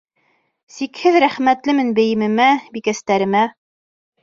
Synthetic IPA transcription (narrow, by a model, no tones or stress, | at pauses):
sikhɘðɾæχmæt̪lɘmɘnbɘ̆jɘ̆mɘ̆mæbikæst̪æɾɘ̆mæ